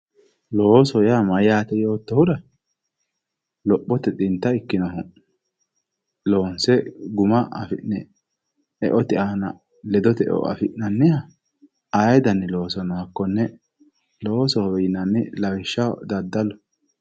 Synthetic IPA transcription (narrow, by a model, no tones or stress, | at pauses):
lo̞ːsɔjamɐjaːt̪ɛjo̞ːt̪ːɔhʊd̪ɐ | lɔpʼːɔt̪ɛt̪ʼɪnt̪ːɐɪkːɪnɔɦʊ | lo̞ːnsɛɡʊmɐɐ̰fɪʔnɛ | ɛ̰ʔɔt̪ɪaːnɐ̰ | lɛd̪ɔt̪ɛʔɔ̰ʔɐ̰fɪʔnɐnːɪhɐ | ajd̪ɐnːɪlo̞ːsɐnɐhɐkːɔnːɛ | lo̞ːsɔjnɐnːɪlɐwɪʃːɐd̪ɐd̪ːɐlɔ